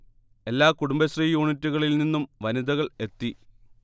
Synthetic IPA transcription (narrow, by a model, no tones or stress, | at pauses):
e̞lːaːkuɽumbɐɕriːjuːɳitːuɣɐɭilninːumʋɐniðɐɣɐɭe̞t̪ːi